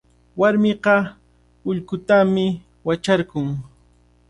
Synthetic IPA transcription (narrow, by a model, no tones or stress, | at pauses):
waɾmɪɢɑ | ʊʎkʊt̪amɪ | wat͡ʃaɾkʊŋ